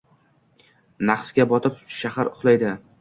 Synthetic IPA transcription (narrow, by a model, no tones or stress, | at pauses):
naqsɡʲabɒt̪ʰɪpʃahaɾʊχlˠajd̪ɪ